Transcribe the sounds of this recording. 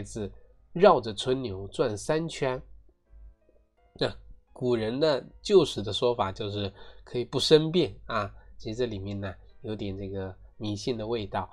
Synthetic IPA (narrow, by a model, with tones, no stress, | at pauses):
ɪd͡zɹ̩˧ | ɻɑ˥˩ʊʈ͡ʂə˩t͡sʰwə˥nnjo˧˥ʊt͡swa˥˩nsa˥nt͡ɕʰɥɛ˥n | na˥˧˩ku˨˩ɻə˧˥nd̪ə˧t͡ɕjo˥˩ʊʂɻ̩˧˥d̪ə˧ʂwɔ˥fa˨˩t͡ɕjo˥˧ʊʂɻ̩˥˩kʰɤ˧˥i˨˩pu˥˩ʂə˥npjɛ˥˩nɐ˧t͡ɕʰi˧˥ʂ̩˧ʈ͡ʂə˥˩li˨˩mjɛ˥˩nnə˩ | jo˧˥ʊt̪jɛ˨˩nʈ͡ʂɤ˥˩ɡə˩ | mi˧˥ɕi˥˩nd̪ə˩we˥˧ɪt̪ɑ˥˩ʊ